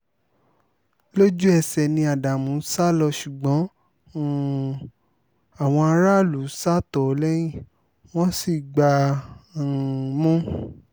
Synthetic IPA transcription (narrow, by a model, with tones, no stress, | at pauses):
lo˦d͡ʒu˦ɛ˧sɛ˨nĩ˧a˨da˨mũ˨˦sa˦lɔ˧ʃu˨ɡ͡bɔ̃˨˦˨ | a˨w̃ɔ̃˧a˧ɾa˦˨lu˨˦sa˦tɔ˦˨˦lɛ˦j̃ĩ˦˨ | w̃ɔ̃˦si˦˨ɡ͡ba˧˨ | mũ˦